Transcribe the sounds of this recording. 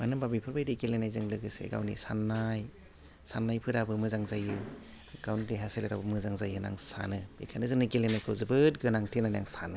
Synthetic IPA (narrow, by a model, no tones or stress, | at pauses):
manɯmbabipʰɯɾbajɾiɡelenajzɯŋlɯɡɯsḛɡa̰wnḭsanːaj | sanːajpʰɯɾabɯmɯzaŋzajɯ | ɡ̥awnideɦasileɾa̰bɯmɯzaŋzajɯna̰ŋsa̰nɯbḭkʰanɯzɯŋnɯkelenajkʰɯwzɯbɯt̚ɡɯnaŋtʰinana̰ŋsa̰nɯ